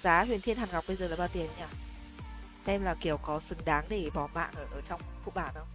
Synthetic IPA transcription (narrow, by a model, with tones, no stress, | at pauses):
zaː˨˦ɦwi˨˩ənt̪ʰi˧ənha˨˩ŋ˨˩k͡p̚ɓə˧jzəː˨˩laː˨˩ɓaː˧˩t̪i˨˩ən˦ɲaː˧˩ | sɛ˧mlaː˨˩ki˧˩əwkɔ˨˦sɨ˨˦ŋɗaː˨˦ŋɗe˧˩ɓɔ˨˧˩ma̰ː˧˨nʔəː˧˩ʔəː˧˩t͡ɕɔ˧wŋ͡mfṵ˧˨ɓaː˧˩ɗə˨˧w